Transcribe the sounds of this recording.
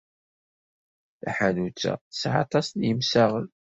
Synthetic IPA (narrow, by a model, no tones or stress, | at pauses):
θæħanut͡sːæ̰θəsʕɑ̰t̪ˤɑsnjəmsæʁən